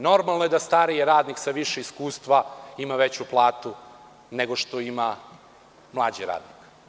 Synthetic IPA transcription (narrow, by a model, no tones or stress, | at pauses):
no̞ɾmalˠnojed̪ast̪aɾijeɾaːd̪niksaʋiʃeiskuːst̪ʋaimaʋet͡ɕuplˠaːt̪u | neɡo̞ʃt̪o̞ima | mlˠaːd͡ʑiɾa̰ːd̪nik